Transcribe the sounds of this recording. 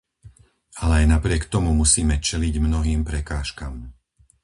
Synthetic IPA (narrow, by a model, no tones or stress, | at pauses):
alɛajnapɾɪɛkt̪ɔmumusiːmɛt͡ʃɛliɟmnɔɦiːmpɾɛkaːʃkaːm